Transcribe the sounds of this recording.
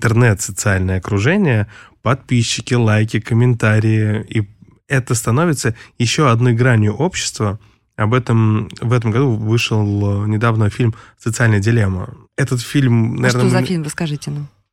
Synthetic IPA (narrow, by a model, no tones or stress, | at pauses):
ɪnt̪ərnɛt̪sət̪sɨalʲnəjəɐkɾʊʐɛnʲɪjəpɐt̪̚pʲiɕːɪkʲɪlˠajkʲɪkəmʲɪnt̪aɾʲɪjɪi | ɛt̪əst̪ɐnovʲɪt̪səjɪɕːoɐd̪no̞jɡɾanʲjʊʔo̞pɕːɪ̥st̪və | ɐbɛt̪əmvɛt̪̬əmɡɐd̪uvɨʂɨlˠnʲɪd̪avnəfʲilʲmsət̪sɨalʲnəjədʲɪlʲemə̰ | ɛt̪ət̪fʲilʲmnɐvernozfilʲmɾəskɐʐɨtʲɪnam